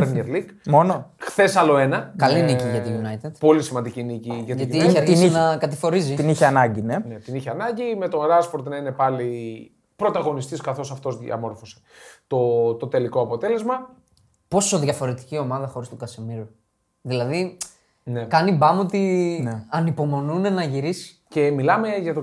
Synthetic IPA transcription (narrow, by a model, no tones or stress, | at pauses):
ɾeneɾlikmo̞noxθe̞sɐlo̞e̞nɐkɐliniciʝɐt̪ijunɐjt̪ed̪̥po̞lisimɐnd̪icinciʝɐtɐt̪iiiɐisninɐkɐt̪ifo̞ɾizit̪iniçeɐnɐɲɟine̞net̪iniçeɐnɐɲɟime̞t̪o̞nɾɐspoɾt̪nɐine̞pɐli | pɾo̞t̪ɐɣo̞nist̪iskɐθo̞sɐft̪o̞zðɐ̰mo̞ɾfo̞se̥t̪ot̪o̞t̪e̞liko̞ɐpo̞t̪e̞le̞zmɐ | po̞so̞ðʝɐfo̞ɾe̞t̪i̥cio̞mɐðɐxo̞ɾist̪ukɐsemiɾu | ðilɐði | nekɐnibɐmot̪ineɐnipo̞mo̞nunenɐʝiɾisi̥ | ce̞milɐme̞ʝɐt̪o